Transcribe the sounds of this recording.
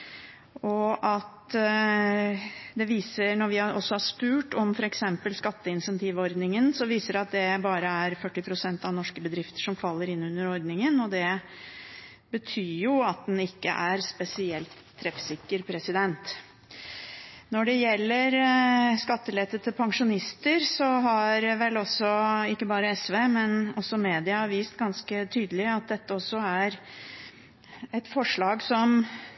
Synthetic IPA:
ɔʔɑt̪ | d̪ɛʋiːsənɔɾʋɪɑʔɔsːɔhɑʂpʉːʈɔmfɔɾɛksɛmpəlskɑt̪ːəɪnsɛnt̪ʰiːʋɔɾd̪nɪŋənsɔʋiːsəɾɑt̪̚d̪ɛbɑːɾəæɾfœʈːɪpʰɾʊsɛnt̪ɑʋnɔʂkəbəd̪ɾɪft̪ə̥ʂɔmfɑlːəɾɪnːʉnːəɾɔɾd̪nɪŋənɔd̪ɛ | bət̪ʰyːjʊɑt̪̚d̪ɛnɪkːə̰ʔæɾspɛsɪɛlt̪ʰːɾɛfsɪkːəɾpʰɾɛsɪd̪ɛnt̪ | nɔɖɛjɛlːəɾskɑt̪ːəlɛt̪ːət̪ʰəpʰɑŋʂʊnɪst̪əɾsɔɦɑɾʋɛlːɔsɔɪkːəbɑːɾəɛsʋeːmɛnɔsːɔmeːd̪ɪɑʋiːst̪ɡɑnskət̪ʰyːd̪əlɪɑt̪̚d̪ɛt̪ːəɔsːɔæɾ | ɛt̪fɔʂɭɑːɡsɔm

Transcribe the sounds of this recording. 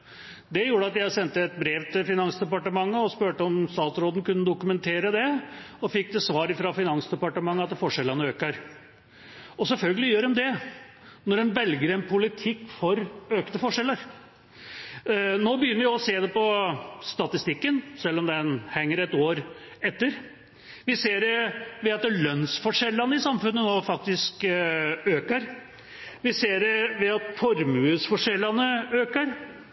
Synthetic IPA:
d̪ɛjuːɾəɑt̪jæɪsɛnt̪əɛt̪̚bɾeːʋt̪ɪlfɪnɑnsd̪ɛpɑʈəmɑŋːəɔspøːʈəɔmst̪ɑːt̪sɾoːd̪ən̩kʉnːəd̪ʊkʉmɛnt̪ʰeːɾəd̪ɛɔfɪkːd̪ɛsʋɑːɾɪfɾɑfɪnɑnsd̪ɛpɑʈəmɑŋːəɑt̪fɔʂɛlːənəøːkəɾ | ɔsɛlfœlɡəlɪjøːɾɛmd̪ɛ | nɔɾɛnʋɛlɡəɾɛnpʰʊlɪt̪ʰɪkːfɔɾøːkt̪əfɔʂɛlːəɾ | noːbəjʏnːəɾʋjɔseːd̪ɛpɔst̪ɑt̪ɪst̪ɪkːənsɛlːɔmd̪ɛnhɛŋːəɾɛt̪oːɾɛt̪ːəɾ | ʋɪseːɾɛʋɛɑt̪lœnsfɔʂɛlːɑnəɪsɑmfʉnːənoːfɑk̚t̪ɪsk | øːkəɾ | ʋɪseːɾɛʋɛɑt̪fɔɾmʉːsfɔʂɛlːɑnəøːkəɾ

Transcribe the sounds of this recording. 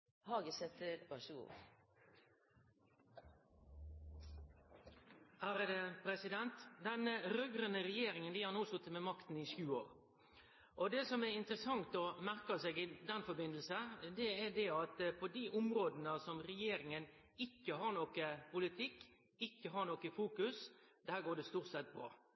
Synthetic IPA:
hɑːɡəsɛt̪əbɑʃəɡṵː | æːɾəd̪ɛpɾɛsɪd̪ɛnt̪d̪ɛnəɾœɡɾənəɾɛjeːɾɪŋənd̪ɪːhɑɾnoːsʊt̪ːəmɛmɑkt̪n̩ɪʃjʉːoːɾ | ʔɔd̪ɛːsɔmɛɪnt̪ɾəsɑŋt̪ɔmæʁkɑseːɡɪd̪ɛnfɔbɪnd̪l̩səd̪ɛæd̪ɛɑt̪pʰod̪iːʔʊmɾoːd̪nəsɔmɾɛjeːɾɪŋən | ɪkːəɦɑɾɳoːkəpʊlɪt̪ʰɪk | ɪkːəɦɑɾɳoːkəfuːkʉsd̪æːɾɡoːɖɛst̪uːʁt̪sɛt̪̚bɾɑ̰ː

